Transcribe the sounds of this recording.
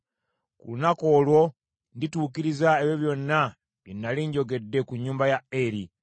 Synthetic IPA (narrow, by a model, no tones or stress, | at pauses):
kṵlunako̞ːlwo̞ | ndituːkiɾizaeβjeβjo̞nːa | linːaliːɲɟo̞ɡe̞dːe̞kuɲːuːmbajaeɾi